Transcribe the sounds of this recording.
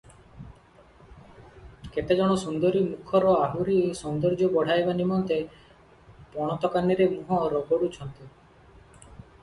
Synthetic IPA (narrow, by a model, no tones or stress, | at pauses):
ket̪ed͡ʒɔɽ̃ɔsund̪ɔɾimukʰɔɾɔaɦuɾisɔnd̪ɔɾd͡ʒɔbɔɽ̤ajbanimɔnt̪e | pɔɽ̃ɔt̪ɔkaniɾemuɦɔɾɔbɔɽut͡ʃʰɔnt̪i